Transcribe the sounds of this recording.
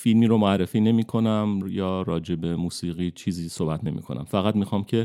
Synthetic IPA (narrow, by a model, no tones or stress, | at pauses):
filmiːɾomoæɾːefiːne̞miːkʰo̞næmjɒːɾɒːd͡ʒe̞be̞muːsiːɣiːt͡ʃʰiːziːsoːbæt̪ʰne̞mḭːkʰo̞nʔæ̰mfæɣæd̪mixɒːmcʰe̞